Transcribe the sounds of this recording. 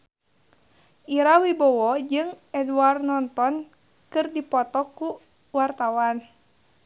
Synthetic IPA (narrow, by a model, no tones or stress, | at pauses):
iɾawibɔwɔd͡ʒɨŋ | ɛduarnɔnt̪ɔn | kɨrdipɔt̪ɔku | wart̪awan